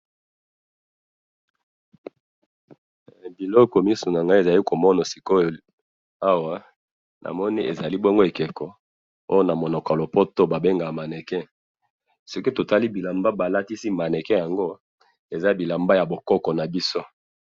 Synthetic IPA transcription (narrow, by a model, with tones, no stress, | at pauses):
bi˨lɔ˦kɔ˨mi˦su˨na˨ŋɡa˦e˨za˨li˦ko˨mɔ˦na˨si˨ko˦˨ | a˦wa˦ | nʔa̰˨mɔ˦ni˦ḛ˨za˨li˦bo˦ŋɡo˦e˨kɛ˨kɔ˨ | o̰˦jo˦na˨mo˨nɔ˨ka˨lo˨po˦to˦ba˨be˦ŋɡa˨ma˨nɛ˨kɛ˦ | so˦ki˦to˨ta˦li˦bi˨la˨mba˦ba˨la˦ti˦si˦ma˨nɛ˨kɛ˦ja˨ŋɡo˦ | e˨za˦bi˨la˨mba˦ja˨bo˨kɔ˦kɔ˨na˨bi˦so˦